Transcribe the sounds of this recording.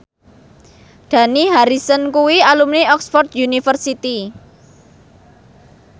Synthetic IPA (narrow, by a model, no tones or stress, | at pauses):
ɖ̪̥ä̤niɦaɾisənkuwialumniɔksfɔrt̪̚junifərsit̪i